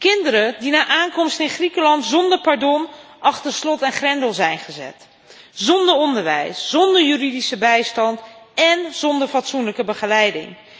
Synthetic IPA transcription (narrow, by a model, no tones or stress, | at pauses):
kɪndəɾədinaːʔaːnkɔmstɪnχrikəlɑntzɔndəɹpaɹdɔn | ʔɑχtəɹslɔtɛnχrɛndəlˠzɛjnχəzɛ̰t | zɔndəɹɔndəɹʋɛ̰jsz̥ɔndəɹjyridisəbɛjstɑntɛnz̥ɔndəɹfɑtsunləkəbəχəlɛjdɪ̰ŋ